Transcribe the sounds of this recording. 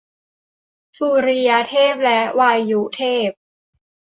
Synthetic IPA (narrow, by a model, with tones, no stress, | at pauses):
suː˧ɾi˧ja˧t̪ʰeː˥˩p̚lɛ˦˥ʔwaː˧jːu˦˥t̪ʰeː˥˩p̚